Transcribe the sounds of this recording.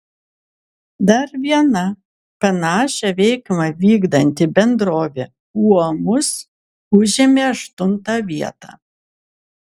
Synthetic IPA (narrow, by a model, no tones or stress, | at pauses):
d̪ɐɾʋʲiɛnɐ | pʲɛnɑːʃʲɛʋʲɛɪkmɐʋʲiːɡd̪ɐnʲt̪ʲɪbʲɛnd̪ɾoːʋʲeː | uɔmʊs | ʊʒʲɪmʲeːɐʃt̪ʊnt̪ɑːʋʲiɛt̪ɑ̰ː